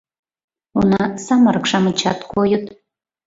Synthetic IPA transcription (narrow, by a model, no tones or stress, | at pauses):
unɑsɑmɑɾɤkʃɑmət͡ɕɑt̪kojət̪